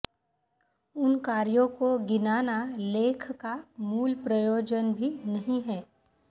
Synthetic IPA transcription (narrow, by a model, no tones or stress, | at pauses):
ʊnkaːɾjõkoɡɪnaːnaleːkʰkamuːlpɾɐjoːd͡ʒənbʱinɐɦĩɦɛː